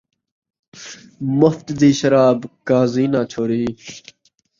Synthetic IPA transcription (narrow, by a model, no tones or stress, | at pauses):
mʊft̪d̪iːʃəɾaːbkaːziːnaːt͡ʃʰoːɾiː